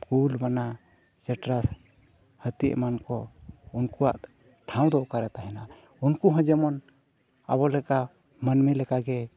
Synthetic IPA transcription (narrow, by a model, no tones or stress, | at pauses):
kulbana | sɛʈɾas | hət̪ḭʔmankɔunkuwaʔ | ʈʰãw̃d̪ɔʔkaɾɛt̪aɦɛna | unkuɦɔ̃d͡ʒɛmɔn | a̰bɔlɛka | mənmɛlɛkaɡɛ